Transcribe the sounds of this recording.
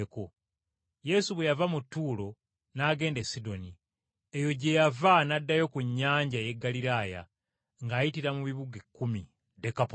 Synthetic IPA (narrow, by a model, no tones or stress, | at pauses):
eko̞ | je̞suβwe̞javamutːuːlo̞ | naːɡe̞ːndesido̞ni | ejo̞ɟe̞javanadːajo̞kuɲːaːɲɟaje̞ɡːaliɾaːja̰ | ŋɡaːjitiɾamuβiβuɡekːumi | dekap